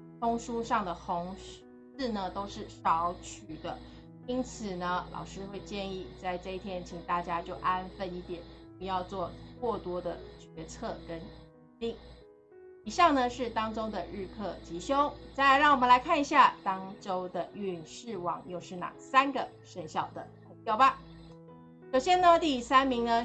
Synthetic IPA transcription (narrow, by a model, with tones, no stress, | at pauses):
t̪ʰʊ˥ŋʂu˥ʂɑ˥˩ŋd̪ə˩xʊ˧˥ŋ | ʂ̩˥˩nə˩t̪o˥ʊʂɻ̩˥˩ʂɑ˧˥ʊt͡ɕʰy˨˩d̪ə˦ | i˥nt͡sʰɹ̩˨˩nə˦lɑ̰˨˩ʊʂɻ̩˥xwe˥˧ɪt͡ɕjɛ˥˧ni˥˩t͡sa˥˧ɪʈ͡ʂɤ˥˧i˥˩t̪ʰjɛ˥nt͡ɕʰi˨˩ŋt̪a˥˩t͡ɕja˥t͡ɕjo˥˩ʊʔa˥nfə˥˧ni˥˩t̪jɛ˨˩˦npu˧jɑ˥˧ʊt͡swɔ˥˩kwɔ˥˩t̪wɔ˥d̪ə˨˩t͡ɕɥɛ˧˥t͡sʰɤ˥˩kə˦˥ni˧˥t̪i˥˩ŋ | i˨˩ɕɑ˥˩ŋnə˧ʂɻ̩˥˩t̪ɑ˥ŋʈ͡ʂo˥ʊd̪ə˨ɻɻ̩˥˧kʰɤ˥˩t͡ɕʰi˧˥ɕjo˥ʊt͡sa˥˩ɪlɪɻɑ˥˩ŋwɔ˨˩mə˧˦la˧˥ɪkʰa˥˩ni˧˩ɕja˥˩t̪ɑ˥ŋʈ͡ʂo˥ʊd̪ə˨˥y˥˧˨nʂɻ̩˥˩wɑ̰˨˩˦ŋjo˥˧ʊʂɻ̩˥˩na̰˨˩sa˥nɡə˨ | ʂə˥˧nɕjɑ˥˩ʊd̪ə˩ | ə˧˥t̪jɑ˥˩ʊba˨˩ | ʂo˨˩ʊɕjɛ˥nə˧t̪i˥˩sa˥nmi˧˥ŋnə˧